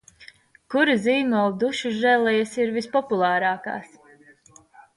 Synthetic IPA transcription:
kuɾiziːmɔld̪uʃuʒɛlˠɛjasiɾvispɔpulˠaːɾaːka̰ːs

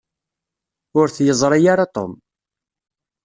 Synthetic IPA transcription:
ʊɾθjəzˤɾˤijaɾat̪ˤo̰m

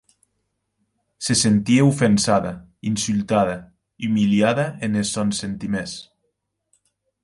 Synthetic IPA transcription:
sesent̪ieufensaða | insylˠt̪aða | iumiliaðaenesɔnsent̪imes

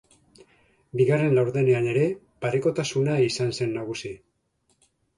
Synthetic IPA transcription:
biɣare̞nlawɾðe̞ne̞ane̞ɾe̞ | paɾeko̞t̪asunaisanse̞nːaɣ̞usi

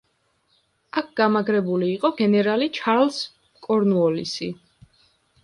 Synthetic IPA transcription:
ak̚ʰɡ̥amaɡɾɛbuliːqʼɔɡɛnɛɾalit͡ʃʰaɾls | kʼɔɾnuɔlḭsi

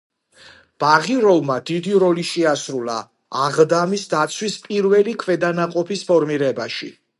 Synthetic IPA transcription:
b̥aʁiɾɔlˠmad̪id̪iɾɔliʃiasɾulˠa̰ː | ʁd̪amisd̪at̪sʰwispʼiɾvɛlikʰvɛd̪anaqʼɔpʰispʰɔɾmiɾɛbaʃḭ

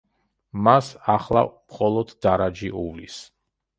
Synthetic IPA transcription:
masaχlˠa̰mχɔlˠɔd̪d̪aɾad͡ʒiʔuvlḭs

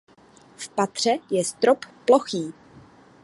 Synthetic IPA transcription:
fpat̪r̝̥ɛjɛst̪ɾopːloxiː

